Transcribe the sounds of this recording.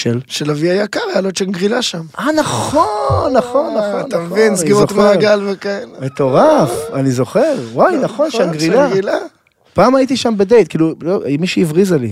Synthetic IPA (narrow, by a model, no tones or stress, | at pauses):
ʃelʃelaviajakaʁealot͡ʃeanɡʁilaʃamanaχonːaχo̞nːaχonamevinsɡiʁoot̪maeɡalvekaelemet̪o̞ʁafanizo̞χeʁwajnaχo̞nʃanɡʁilaila | paːmajit̪iʃambed̪e̞jt̪̚kiːlulomiʃiivʁizali